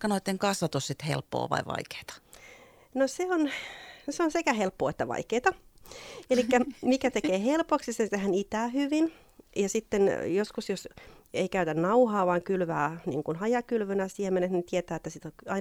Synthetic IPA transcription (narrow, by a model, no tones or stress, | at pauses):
kːɑnoit̪ːeŋkɑsʋɑt̪ussit̪hḛlpːo̰ːʋɑ̰iʋɑ̰ike̥ːt̪ɑ̥ | noseonseonsekæhelpːoːet̪ːæʋɑ̰ikeːt̪ɑ | elikːæmikæt̪ekeːhelpoksisent̪ehænit̪æːhyʋin | jɑsit̪ːenjoskusjoseikæyt̪ænnɑuhɑːʋɑːŋkylʋæːnḭːŋkunhɑjɑkylʋønæsiemenetnint̪iet̪æːet̪ːæsit̪okɑi